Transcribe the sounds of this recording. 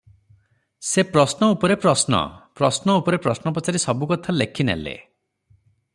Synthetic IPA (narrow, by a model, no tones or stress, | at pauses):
sepɾɔsnɔupɔɾepɾɔsnɔ̰pɾɔsnɔupɔɾepɾɔsnɔpɔt͡ʃaɾisɔbukɔt̪ʰalekʰinḛlḛ